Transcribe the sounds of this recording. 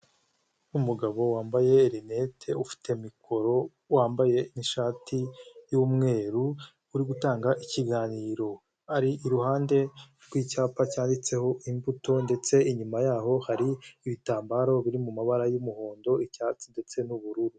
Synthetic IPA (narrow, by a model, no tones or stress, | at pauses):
umuɡaβo̞waːmbaje̞ːɾinetʰe̞ufi̥te̞mikʰo̞ɾo̞ | waːmbaje̞niʃaːtijuːmŋe̞ːɾuː | ɾiɡutaːŋɡaʔiciɡaːniːɾo̞ | aɾiʔːɾuhaːnde̞ | ɾɡwiːcaːpacaːndit͡se̞ho̞ʔimbuto̞nde̞t͡se̞iɲumajaːɦo̞haɾiːβitaːmbaːɾo̞βiɾimumaβaɾajumuho̞ːndo̞icaːt͡sinde̞t͡se̞nuβuɾuɾu